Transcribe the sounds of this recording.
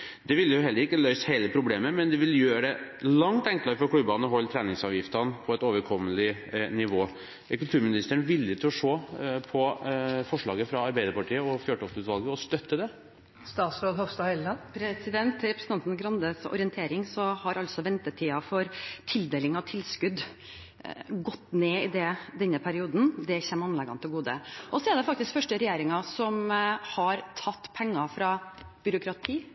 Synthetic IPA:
d̪ɛʋɪlːjʊɦɛlːəɾɪkːəlœʏsheːləpʰɾʊbleːməmɛnd̪ɛʋɪljøːɖɛlɑŋt̪ɛŋklɑɾəfɔɾkʰlʉbɑnɔɦɔlːt̪ʰɾɛːnɪŋsɑːʋjɪft̪ɑnpʰɔɛt̪oːʋəɾkʰɔmːəlɪnɪʋoː | kʉlt̪ʰʉːɾmɪnɪst̪əəɳ̩ʋɪlːjət̪ʰɪlɔʂoːpʰɔfɔʂɭɑːɡəfɾɑɑɾbæɪd̪əɾpɑʈʰiːəɔfjøːʈɔksʉːt̪ʋɑlɡəɔst̪œt̪ːəd̪ɛ | st̪ɑːt̪sɾoːd̪hɔʋst̪ɑɛlnɑnpʰɾɛsɪd̪ɛnt̪ʰɾɛpɾəsn̩ɑnt̪n̩ɡɾɑnd̪əsɔ̰ɾɪənt̪ʰeːɾɪŋsɔhɑɾʔɑlsɔʋɛnt̪əʈʰiːɑfɔɾt̪ʰɪld̪eːlɪŋɑʋt̪ʰɪlskʉd̪ | ɡɔt̪ːneːɪd̪ɛd̪ɛnːəpʰæɾɪuːd̪n̩d̪ɛçɛmɑnlɛɡɑnt̪ʰɪlɡuːd̪ə̰ʔɔsɔɛɖ̪ɛfɑk̚t̪ɪskfœʂʈəɾɛjeːɾɪŋɑsɔmhɑɾt̪ʰɑt̪ːpʰɛŋːɑfɾɑ | b̥ʏɾʊkɾɑt̪ʰiː

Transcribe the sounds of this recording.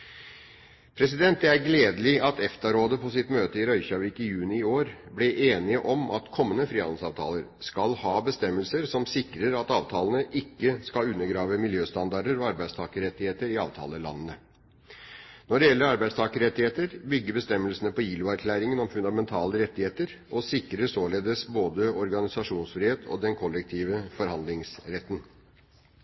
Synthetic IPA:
pʰɾɛsɪd̪ɛnt̪̚ɛæɾɡleːd̪əlɪʔɑt̪ɛft̪ɑɾoːd̪əpʰɔsɪt̪møːt̪əɪɾœʏçɑʋɪkɪjʉːnɪɪoːɾblɪʔeːnɪəʔɔmʔɑ̰t̪kʰɔmːənəfɾiːhɑnd̪l̩sɑːʋt̪ʰɑ̰ːləɾskɑlhɑːbəst̪ɛmːəlsəɾsɔmsɪkɾəɾɑt̪ɑːʋt̪ʰɑːlənəʔɪkːəskɑlʉnːəɡɾɑːʋəmɪljøːst̪ɑnd̪ɑɖəɾɔɑɾbæɪd̪st̪ʰɑːkəɾɛt̪ːɪheːt̪əɾɪɑ̰ːʋt̪ʰɑ̰ːləlɑ̰nːənə | nɔɖɛjɛlːəɾɑɾbæɪd̪st̪ɑːkəɾɛt̪ːɪheːt̪əɾbʏɡːəɾbəst̪ɛmːəlsənəpɔjiːlʊæɾkʰlæːɾɪŋənɔmfʉnd̪ɑmɛnt̪ʰɑːləɾɛt̪ːɪheːt̪əɾ | ʔɔsɪkːɾəsoːleːd̪əsboːd̪əɔɾɡɑnɪsɑʂuːnsfɾiːheːt̪ʰɔ̰d̪ɛnkʰɔlːɛk̚t̪ʰiːʋəfɔɾhɑnd̪lɪŋsɾɛt̪ːən

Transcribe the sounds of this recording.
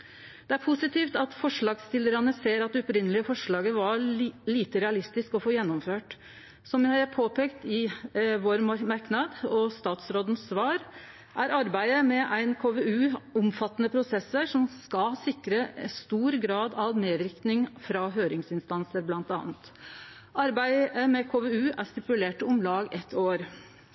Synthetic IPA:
d̪̥ɛæɾpʰʊsɪt̪iːft̪ɑt̪fɔʂɭɑːɡst̪ɪlːəɾɑnəseːɾɑt̪̚ɛɔpɾɪnːəlɪəfɔʂɭɑːɡəʋɑɾliːt̪əɾɛɑlɪst̪ɪskɔfoːjɛnːɔmføːʈ | sɔmjæhɑɾæpʰoːpʰeːkt̪ɪʋoːɾmɑɾknɑd̪ɔst̪ɑːt̪sɾoːd̪n̩sʋɑːɾ | ʔæɾɑɾbæɪəmɛʔæɪnkʰoːʋeːʉːʊmfɑt̪ːənəpʰɾʊsɛsːəʂɔmskɑsɪkɾəst̪uːɾɡɾɑːd̪ɑʋneːd̪ɾɪk̪nɪŋfɾɑɦøːɾɪŋsɪnst̪ɑnsəɾblɑnt̪ɑ̰ːnt̪ | ʔɑɾbæɪəmɛkʰoːʋeʉːʔæʂt̪ɪpʉleːʈəʊmlɑːɡɛt̪ʰːoːɾ

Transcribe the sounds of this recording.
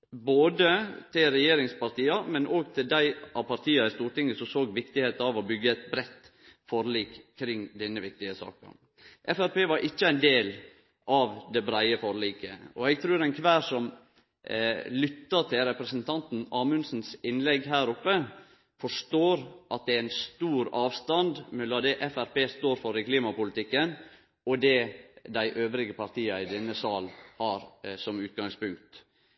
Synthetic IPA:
boːd̪ət̪ʰɪlɾɛjeːɾɪŋspɑɾt̪iːɑmɛnʔoːɡt̪ʰɪld̪æɪʔɑʋpʰɑɾt̪ʰiːɑɪst̪uːɾʈɪŋːəsɔsoːɡʋɪkt̪ɪheːt̪ɑʋɔbʏɡːəɛt̪̚bɾɛt̪ː | fɔɾliːkkʰːɾɪŋːd̪ɛnːəʋɪkt̪ɪəsɑ̰ːkɑ̰n | ʔɛfæɾpeːʋɑɾʔɪçːəæɪnd̪eːl | ʔɑʋd̪ɛbɾæɪəfɔɾliːkə̰ɔɛɡ̚t̪ʰɾʉːɾɛnkʰʋæːʂɔm | lʏt̪ːət̪ʰɪlɾɛpɾəsənt̪ʰɑnt̪n̩ɑːmʉnsn̩sɪnlɛɡɦæːɾʊpːə | fɔʂʈoːɾʔɑt̪̚d̪ɛæɾæɪnst̪uːɾɑːʋst̪ɑnd̪mɛlːɑd̪ɛʔɛfæɾpeːst̪oːɾfɔɾɛkliːmɑpʊlɪt̪ɪkːən | ɔd̪ɛd̪æɪʔøːʋɾɪɡəpɑɾt̪ʰiːɑɪd̪ɛnːəsɑːlhɑːɾsɔmʉːt̪̚ɡɑŋspʊŋk̚t̪

